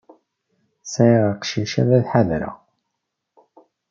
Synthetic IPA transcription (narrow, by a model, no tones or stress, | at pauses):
sæʁəqʃiʃæ̰ðæðħaðɾæ̰